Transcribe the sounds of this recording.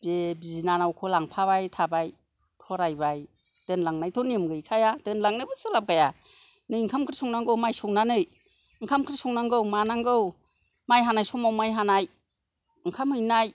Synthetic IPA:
bebizinanawkʰɔlaŋpʰaβajtʰabaj | tʰɔɾajbaj | d̥ɯnlaŋnajtʰɔnimɡɯjkʰajadɯnlaŋnɯbɯsɯlap̚ɡaja | nɯjŋkʰamkʰɯɾisɔŋnaŋɡɯwmajsɔŋnanɯj | ɯŋkʰamkʰɾisɔŋnaŋɡɯwmanaŋɡɯw | majɦanajsɔmawmajɦanaj | ɯŋkʰamhɯjnaj

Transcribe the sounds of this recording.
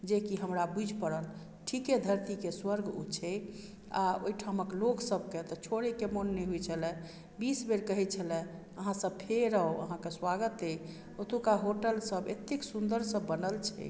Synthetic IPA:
d͡ʒekiɦəmɾabud͡ʒʱpəɾəl | ʈʰiked̪ʱəɾt̪ikeswəɾɡṵt͡ʃʰɛ | a̰o̰jʈʰaməkloksəbket̪ɔt͡ʃʰoɽekemonːeɦujt͡ʃʰəlɛ̃ | bisbeɾkəɦɛt͡ʃʰəlɛ̃ | əɦãsəb̚pʰeɾəoə̰ɦãkeswaɡət̪ej | ot̪ukaɦoʈəlsəbḛt̪ːeksund̪əɾsəbːənəlt͡ʃʰɛ̰

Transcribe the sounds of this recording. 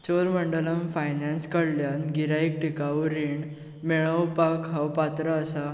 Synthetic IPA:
t͡ɕoɾməɳɖələmfajnãnskəɽljanɡiɾaik̚ʈʰikawɾiɳ | meɭ̃əwpakɦawpat̪ɾaːsa

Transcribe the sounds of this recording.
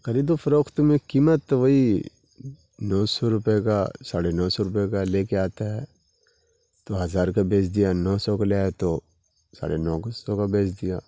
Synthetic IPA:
kɐɾid̪ofɐɾoːkt̪mẽkiːmət̪ʋɐɦi | nɔːsɔɾʊpeka̰saːɽenɔːsɔɾʊpekaleːkeaːt̪aɦɛː | t̪oɦɐzaːɾkabeːt͡ʃd̪ɪjanɔːsɔkalaːt̪o | sa̰ːɽenɔːksɔkabeːt͡ʃd̪ɪja

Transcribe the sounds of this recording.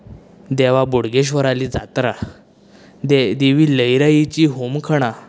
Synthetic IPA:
d̪ɛʋabuɽɡeɕ̬ʋəɾaliːd͡za̰t̪ɾa | d̪ed̪iʋiːləjɾajit͡ɕiːɦomkʰəɽ̃a

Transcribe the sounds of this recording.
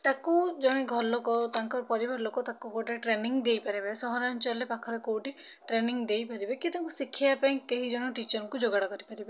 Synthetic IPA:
t̪akud͡ʒɔɽ̃iɡʱɔlɔkɔt̪aŋkɔɾɔpɔɾibaɾlokɔt̪akuɡoʈaʈɾeniŋd̪ejpaɾibasɔɦɔɾant͡ʃɔlepakʰɔɾɔkowʈi | ʈɾeniŋd̪ejpaɾibekit̪aŋkusikʰːiapaĩkeɦid͡ʒɔɽ̃ɔʈit͡ʃɔɾɔŋkud͡ʒoɡaɽɔkɔɾipaɾibe

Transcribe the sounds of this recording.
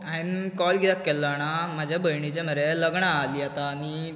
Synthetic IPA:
ainkɔlɡid̪akːɛlːañamad͡ʑʱjabʱəjɳit͡ɕeməɾeləɡɳaːliːat̪aːni

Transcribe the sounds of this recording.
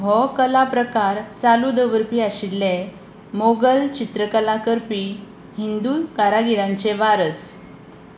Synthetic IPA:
ɦɔkəlapɾəkaɾt͡salud̪əʋəɾpiːaɕilːe | moɡəlt͡ɕit̪ɾəkəlakəɾpiː | ɦind̪ukaɾaɡiɾãɲt͡ɕeʋaɾəs

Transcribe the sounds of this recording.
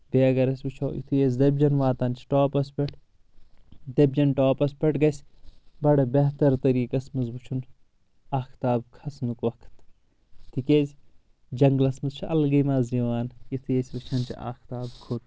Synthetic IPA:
beɐɡɐɾɐsʲbɨt͡ʃʰoːʔḭt̪ʰɨjez̬d̪ɐbd͡ʒɐnʋaːt̪ɐnt͡ʃʰi̥ʈoːpɐspʲeʈʰ | d̪ɐbʲd͡ʒɐnʈoːpɐspʲɐʈɡɐsʲbɐɽɐbɐɦt̪ɐɾt̪ɐɾiːkɐsmɐzbɨt͡ʃʰun | aːkʰt̪aːbkʰɐsnukʋɐkʰt̪ | t̪ʰikʲeːz | d͡ʒɐŋɡlɐsmɐzt͡ʃʰiɐ̰lɡɐjmaːziʋaːnjit̪ʰɨjesʲbɐt͡ʃʰɐnt͡ʃʰḭʔa̰ːkʰt̪aːbkʰuɾ

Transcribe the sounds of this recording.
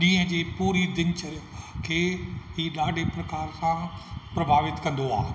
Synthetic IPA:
ʄĩːə̃d͡ʑeːpuːɾid̪ɪ̃nt͡ɕəkʰeːɦiːɗaːɖʱepɾɐkaːɾsãpɾɐbʱaːʋɪt̪kɐ̃nd̪oaː

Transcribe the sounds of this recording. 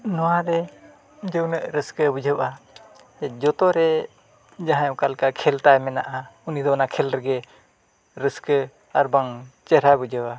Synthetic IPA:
nɔwaɾɛ | d͡ʒəwnəʔɾəskəbud͡ʒəwa | ɛd͡ʒɔt̪ɔɾɛ | d͡ʒaɦãjɔ̃kalkakʰɛlt̪ajmɛna̰ʔaunid̪ɔnakʰɛlɾɛɡɛ | ɾəskə | aɾbaŋt͡ʃəɾabud͡ʒəwa

